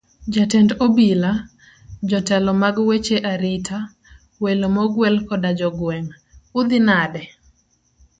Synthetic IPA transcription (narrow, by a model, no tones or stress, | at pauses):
d͡ʒatɛndobila | d͡ʒɔtɛlɔmaɡwet͡ʃeʔaɾitʰa | welomɔɡwɛlkɔdad͡ʒɔɡwɛŋ | ʊd̪ɪnadɛ